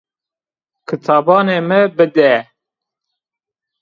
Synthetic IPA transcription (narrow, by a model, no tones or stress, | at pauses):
kʰɨt̪ʰɑːbɑːneːmɨbɨd̪ɛ